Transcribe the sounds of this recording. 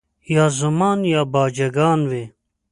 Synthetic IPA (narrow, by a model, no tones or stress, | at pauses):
jaːzɐmaːnjaːbaːd͡ʒɐɡaːnwe